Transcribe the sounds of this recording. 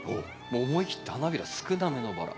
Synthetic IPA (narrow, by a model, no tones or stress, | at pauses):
o̰ː | moːmoikʲi̥t̪ːe̞hanabʲiɾasɨ̥kɯ̟nanenoba̰ɾa̰